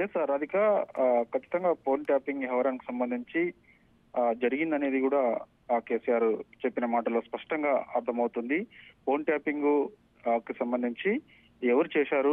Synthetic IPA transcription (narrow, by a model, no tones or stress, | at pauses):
jesːaːɾɐd̪ʱikaːkʰɐt͡ʃːi̥t̪ɐŋɡaːpo̞ːnʈjaːpiŋɡɦɐʋaɾaːniki̥sɐmbɐnd̪ʱiɲt͡ʃi | d͡ʒɐɾiɡind̪ɐne̞ːd̪ikuːɽaː | ke̞ːsijaːɾt͡ʃepːinɐmaːʈɐlo̞ːspɐʂʈɐŋɡaːɐɾt̪ʰɐmɐwut̪und̪ipʰo̞ːnʈjaːpiŋɡ | kisɐmbɐnd̪ʱiɲt͡ʃi | ɛʋɐɾit͡ʃɛːʃaːɾu